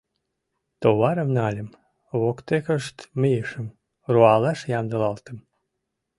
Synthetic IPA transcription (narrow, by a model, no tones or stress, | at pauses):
t̪oβɑɾəmnɑlʲəm | βokt̪ekəʃt̪mijəʃəm | roɑlɑʃjɑmd̪ə̆lɑlt̪ə̆m